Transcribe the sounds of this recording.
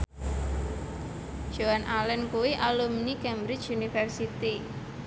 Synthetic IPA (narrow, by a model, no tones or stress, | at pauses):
ʒ̥oanʔalɛnkuwiʔalumnikɛmbɾɪt͡ʃunifɛrsit̪i